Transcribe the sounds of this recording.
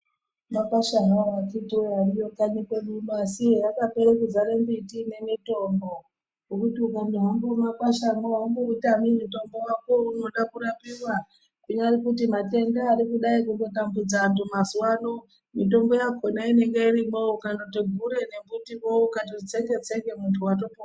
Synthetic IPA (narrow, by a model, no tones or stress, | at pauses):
makaʃaɦaat͡ʃitiwoarijo̞kaɲikwemumasiɦejakape̞ɾekid͡zaɾe̞mbitine̞mito̞mbo̞ | okutiukaneɦambomakwaʃamaɦamboutamimito̞mbo̞wakouno̞ɗakuɾapiwa | kuɲaaɾikutimate̞ndaːɾikuɗaikundo̞tambud͡zantumazwano | mito̞mbo̞jakʰo̞naine̞ŋɡeiɾimoukanotiɡʱuɾe̞ne̞mbutiwoukatiit͡seŋɡe̞t͡se̞ke̞muntʰuwato̞po